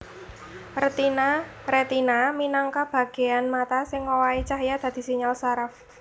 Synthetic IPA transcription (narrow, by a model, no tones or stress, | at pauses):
rət̪inaɾet̪inaminaŋkab̥a̤ɡ̥e̤anmat̪asɪŋowait͡ʃaɦjad̪̥ä̤d̪̥i̤siɲalsaɾaf